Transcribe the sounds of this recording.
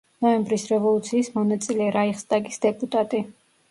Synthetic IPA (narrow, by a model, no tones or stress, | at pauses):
nɔɛmbɾisɾɛvɔlˠut̪sʰiːsmɔnat̪sʼilɛɾaiχst̪ʼaɡisd̪ɛpʼut̪ʼat̪ʼi